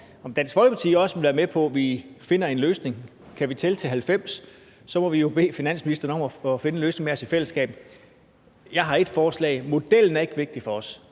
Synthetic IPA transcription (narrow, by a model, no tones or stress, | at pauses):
ɒ̽md̥ænsɡ̥fɒ̽lɡəpɑ̈t͡sʰḭːɒ̽səʋe̝lʋæːɐmepʰɒ̽ʋife̝nɐe̝nløːsne̝ŋ | kʰæʋit͡sʰe̝lt͡sʰɛ̰ːhælfem̰s | sɒ̽mɒ̽ʋijo̝b̥e̝̰ːfinæn̰sminisd̥ɐːn̩ɒ̽mɒɒfe̝nəløːsne̝ŋmeɒ̽sifel̰əsɡ̥ɛ̰ːb̥̩ | jɑ̈ɪɦɑ̈e̝d̥fɒːslɛ̰ɪmo̝d̥el̰n̩æɐe̝ɡ̥əʋe̝ɡ̥̚d̥ifɒ̽ɒ̽s